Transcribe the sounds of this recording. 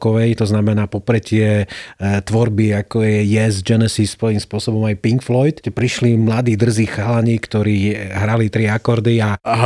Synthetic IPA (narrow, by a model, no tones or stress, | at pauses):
kɔʋɛjt̪ɔznamɛnaːpɔpɾɛt̪ɪɛ | t̪ʋɔɾbiakɔjɛjɛzd͡ʒɛnɛsispɔjiːmspʊɔsɔbɔmajpiŋkflɔjt̪tɛpɾiʃlimlad̪iːd̪r̩ziːxaːlaɲiːkt̪ɔɾiːɦɾalit̪ɾiakɔɾd̪ia